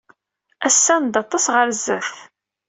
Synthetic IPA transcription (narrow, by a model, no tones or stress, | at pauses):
æsːænd̪ɑt̪ˤːɑsʁəɾzːəθ